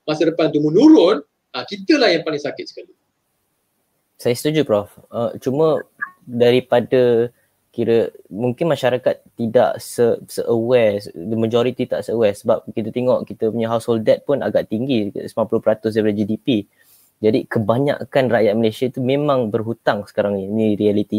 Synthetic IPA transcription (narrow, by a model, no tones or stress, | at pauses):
masədəpant̪umənuɾʊn | akit̪əlahjaŋpalɪŋsakɪt̪̚sə̥kali | sajast̪ud͡ʒupɾɔfət͡ʃumə̃daɾipadə | kiɾəmuŋkɪnmaʃaɾakat̪ːida̰ʔsəsəʔəwɛsdəməd͡ʒoɾit̪it̪aʔsəəwɛsəbap̚kit̪ət̪eŋɔʔkit̪əpuɲaɦawsholdɛt̪̚pʊnaɡaʔt̪iŋɡisəmãmpulʊhpəɾat̪ʊs̬daipadəd͡ʒidipi | d͡ʒadikəbaɲa̰ʔkanrajat̪̚məlesiait̪umẽmãŋbərɦut̪aŋsə̥kaɾaŋiniɾialit̪i